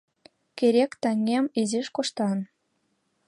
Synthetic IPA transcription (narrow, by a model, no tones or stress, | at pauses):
kʲeɾʲekt̪æŋʲːemiziʃkoʃt̪ɑn